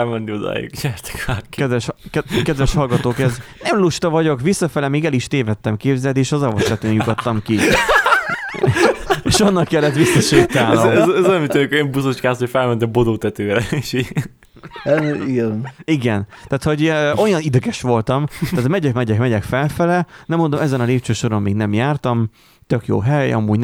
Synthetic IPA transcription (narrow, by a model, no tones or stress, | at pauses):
ɛlmɛnd̪iod̪a̰ːjṵkɲɛrt̪ɛ̥kaːkːkɛd̪ɛʃɛkɛd̪vɛʃhɒlɡɒt̪oːkɛznɛmluʃt̪ɒvɒɟo̞kʋisːɒfɛlɛmeːɡɛliʃt̪eːvɛt̪ːɛmkeːbzɛlt̪eːʃɒzɒvoʃlɛt̪øːnjuk̪ot̪ːɒmki | eːʃɒnːɒkjɛlːɛt̪ʋisːɒʃeːt̪aːnɛzmit̪ønɛkmbusot͡ʃkaːshofɛlmɛnt̪ɛbod̪oːt̪ɛt̪øːɾɛeːʃi | iɡɛniɡɛnt̪aːt̪ho̞ɟʔo̞jɒnid̪ɛɡɛʃʋo̞lt̪ɒmt̪aːt̪mɛɟɛkmɛɟɛkmɛɟɛkfɛlfɛlɛnɛmːo̞nd̪o̞mɛzɛnɒleːp̚t͡ʃøːʃo̞ɾo̞mmiːɡnɛmjaːrt̪ɒm | t̪ø̞kjo̰ːɦɛjɒ̰mːuːɟ